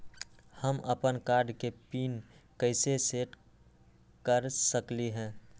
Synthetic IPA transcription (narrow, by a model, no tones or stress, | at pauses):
həmʔəpənkaːɾɖkepiːnkəɪseseːʈ | kəɾsəkliɦɛ̃ː